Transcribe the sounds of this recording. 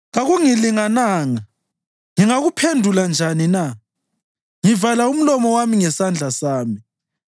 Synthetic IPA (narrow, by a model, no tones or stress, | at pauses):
ɣaɣuŋiliŋanaːŋa | ŋiŋaɣupʰendʱuland͡ʒʱanina | ŋivalaum̩lɔmɔwamiŋɛsand͡ɮʱasaːmi